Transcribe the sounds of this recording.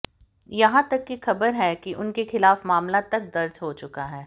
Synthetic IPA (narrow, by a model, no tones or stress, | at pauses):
jɐɦãt̪ɐkːixɐbəɾɦɛkiʔʊnkexɪlaːfmaːmlat̪ɐk̚d̪ɐɾd͡ʒɦot͡ʃʊkaɦɛː